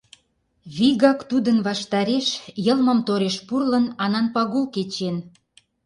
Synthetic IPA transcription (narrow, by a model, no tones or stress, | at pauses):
βiɣɑkt̪ud̪ənβɑʃt̪ɑɾeʃjəlmə̆mt̪oɾeʃpurlə̆nɑnɑnpɑɣulket͡ɕen